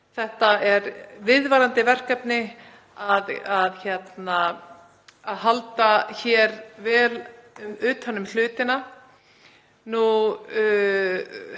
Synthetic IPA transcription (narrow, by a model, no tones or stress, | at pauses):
θɛht̪aɛɾvɪðvaɾant̪ɪvɛr̥kapnɪ | aðaðçɛt̪naː | ðɦalt̪açɛɾvɛːlʏmʏːt̪hanːʏml̥ʏːt̪ɪna | nu